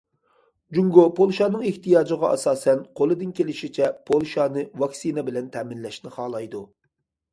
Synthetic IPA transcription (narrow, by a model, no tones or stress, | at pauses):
d͡ʒuŋɡopʰolˠʃɑːnɨŋeht̪ijɑːd͡ʒɨʁɑʔɑ̰sɑːsɛnqʰolˠɨd̪ɨnkʲelɪʃit͡ʃʰɛpʰolˠʃɑːnɨvɑksinɛbɪlɛnt̪ʰɛːmɪnlɛʃnɪχɑːlˠɑjd̪u